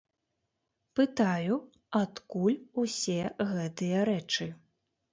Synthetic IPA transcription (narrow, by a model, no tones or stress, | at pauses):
pɨt̪aju | at̪kulʲusʲɛɣɛt̪ɨjɐɾɛt͡ʂɨ